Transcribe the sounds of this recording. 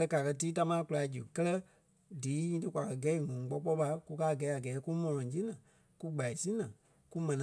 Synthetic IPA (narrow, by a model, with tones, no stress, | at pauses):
ə˧ka˨kɜ˧tiː˦ta˧mãː˦ku˧la˨i˦d͡ʒɨ˨kɜ˦lɜ˧˦ | diː˨˦ɲĩː˧˦tɨ˧kʷwʷa˨kɜ˧ɡɛ˦i˦˨ŋũ˨˦ɡ͡bɔ˧˦k͡pɔ˦ɓa˧ku˦kaː˦˨ɡɛ˨˦a˨ɡɛː˨˦ku˦mɔ̃˧lɔ̃˨˦d͡ʒĩ˦nã˨ | ku˦ɡ͡ba˨i˨sĩ˦nã˨ | ku˦mɛ̃˨nã˨